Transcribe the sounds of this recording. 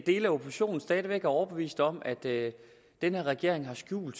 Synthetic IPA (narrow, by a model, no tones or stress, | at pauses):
d̥e̝ːlæo̝pʰosi̥ɕo̝̰ːn̩sd̥ɛːð̞ˠʋeɡ̥æɐɒʊɐb̥e̝ʋḭːsd̥ɒ̽m̰æd̥ | d̥enheɐʁɛɡ̥e̝ɐ̰e̝ŋɦɑ̈sɡ̥jṵːld̥